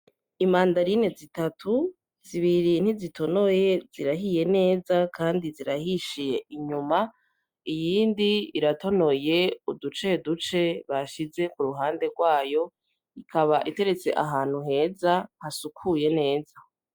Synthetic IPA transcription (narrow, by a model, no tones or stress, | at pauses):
imaːndaɾine̞zitatʰu | z̥iβiɾin̥izitʰo̞no̞je̞z̥iɾaɦije̞ne̞ːzakʰaːndiziɾahiʃije̞ʔiɲuma | ijiːndiiɾato̞no̞je̞udut͡ʃe̞dut͡ʃe̞βaʃize̞kuɾuɦaːnde̞ɾɡwaːjo̞ | ikʰaβaʔite̞ɾe̞t͡se̞̰ʔaɦaːn̥huɦe̞ːzahasukʰuje̞ne̞ːza